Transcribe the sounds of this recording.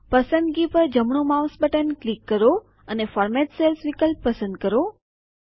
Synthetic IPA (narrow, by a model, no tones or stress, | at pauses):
pəsənd̪̚ɡipəɾd͡ʒəmɳomaʋsbəʈənklikːəɾo | ənefɔɾmɛʈselsʋikəlpːəsə̃nd̪̚kəɾo